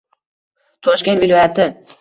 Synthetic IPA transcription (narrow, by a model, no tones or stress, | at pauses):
t̪ʰɒʃkʲe̞nt̪vɪlˠɒjat̪ʰɪ